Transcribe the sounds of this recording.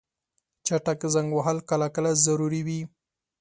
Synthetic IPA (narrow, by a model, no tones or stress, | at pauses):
t͡ʃaʈakezaŋɡwaɦalkalakəlazaɾuɾiwi